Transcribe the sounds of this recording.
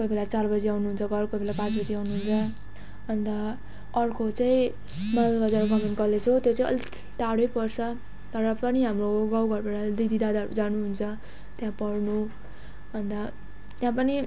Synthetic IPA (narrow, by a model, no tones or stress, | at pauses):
kojbelat͡sarbʌd͡ziawnuɦunt͡sʰʌɡʌɾkojbelapãt͡sbʌd͡ziawnuɦunt͡sʰʌ | bʱʌnd̪a | ʌrkʰot͡saĩ | mʌlɡʌd͡zanuɡʌmʌnkʌlet͡sʰʌt̪jot͡saĩʌ̰lii̥ʈ̪aɽojpʌrt͡sʰʌ | t̪ʌɾʌpʌniɦamroɡawɡʱʌɾbaɽʌd̪id̪ʱid̪ad̪ad͡zanuɦunt͡sʰʌ | t̪jãpʌrnu | bʱʌnd̪a | t̪jãpʌni